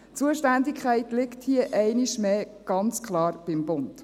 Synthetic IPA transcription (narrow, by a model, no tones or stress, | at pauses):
t͡suəʃtændikʰχɛɪtlɪkthiəʔɛɪniʃmeːɡ̥ɑnt͡skʰχlɑːrb̥ɪmb̥ʊnt